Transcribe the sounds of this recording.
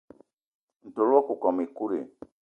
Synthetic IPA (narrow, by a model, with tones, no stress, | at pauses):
n̩˨to˨lu˦ɔ˦ku˨kɔ˨mi˨ku˦ɾḛ˨